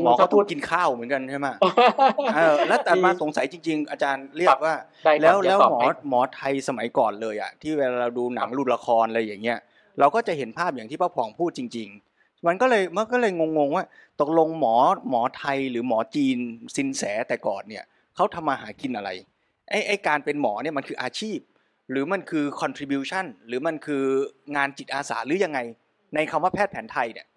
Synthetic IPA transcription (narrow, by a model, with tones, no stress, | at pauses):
mɔː˦a˥˩t̪ʰuː˥˩t̪̚ki˧nkʰaː˥˩wmɯ˩˦nka˧nt͡ɕʰa˥˩jma˦˥˩ | ʔaː˧lɛː˦˥t̪ɛː˨˩maː˧so˨˩˦ŋsa˨˩˦jt͡ɕi˧ŋt͡ɕi˧ŋʔa˧t͡ɕaː˧nɾi˥˩ək̚waː˥˩˥ | lɛː˦˥wlɛː˦˥wmɔː˦mɔː˩˦t̪ʰa˧jsa˧ma˩˦jkɔː˨˩nlɤː˧jʔa̰˨˩t̪ʰiː˥˩wɛː˧laː˧ɾaː˧duː˧na˨˩˦ŋlu˨˩t̪̚la˧kʰɔː˧nʔɾa˧jːaː˨˩ŋːi˦˥ɐ | ɾa˧wkɔː˥˩t͡ɕa˨˩ʔhe˩˦npʰaː˥˩p̚ja˨˩ŋt̪ʰiː˥˩pa˥˩pʰɔː˩˦ŋpʰuː˥˩t̪̚t͡ɕi˧ŋt͡ɕi˧ŋ | ma˧nkɔː˥˩lɤː˧jma˧nkɔː˥˩lɤː˧jŋo˧ŋːo˧ŋwaː˥˩t̪o˨˩k̚lo˧ŋmɔː˩˦mɔː˩˦t̪ʰa˧jɾɯː˩˦mɔː˩˦t͡ɕiː˧nsi˨˦nsɛː˩˦t̪ɛː˨˩kɔ̰ː˨˩nːi˥˩ɐ | kʰa˦˥wt̪ʰa˧mːaː˧ɦaː˩˦ki˧nʔa˧ɾa̰˧j | ʔa˦˥˩jʔa˥˩jkaː˧npe˧nmɔː˩˦ni˥˩ɐma˧nkʰɯː˧ʔaː˧t͡ɕʰiː˥˩p̚ | ɾɯː˩˦ma˧nkʰɯː˧kʰɔ˧nt̪ʰɾiː˧bjuː˧t͡ɕʰa˥˩nɾɯː˩˦ma˧nkʰɯː˧ŋaː˧nt͡ɕi˨˩t̪̚ʔaː˧sa̰ː˩˦ɾɯː˩˦ja˧ŋːa˧j | na˧jkʰa˧mwaː˥˩pʰɛː˥˩t̪̚pʰɛː˩˦nt̪ʰa˧jni˥˩ɐ